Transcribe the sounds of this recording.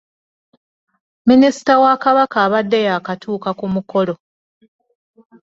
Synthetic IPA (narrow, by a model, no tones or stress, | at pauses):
minisi̥tawakaβakaːβadːejaːkatuːkakumuko̞lo̞